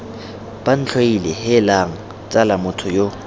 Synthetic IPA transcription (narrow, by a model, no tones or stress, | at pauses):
b̥an̩t͡ɬʰwailɛhɪlaŋ̩ | t͡sʼalamʊtʰʊjo